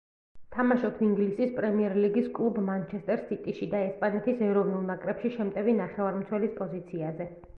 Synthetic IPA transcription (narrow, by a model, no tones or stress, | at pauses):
t̪ʰamaʃɔpʰiŋɡlisispʼɾɛmiɛɾliɡiskʼlˠubmant͡ʃʰɛst̪ʼɛɾsːit̪ʼiʃid̪aɛspʼanɛt̪ʰisɛɾɔvnulˠnakʼɾɛpʃiʃɛmt̪ʼɛvinaχɛvaɾmt̪sʰwɛlispʼɔzit̪sʰiazɛ